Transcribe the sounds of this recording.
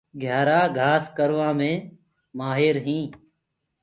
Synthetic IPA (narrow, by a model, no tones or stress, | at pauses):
ɡʱjaːɾaːɡʱaːskəɾʋãːmẽː | maːɦɪːɾɦĩː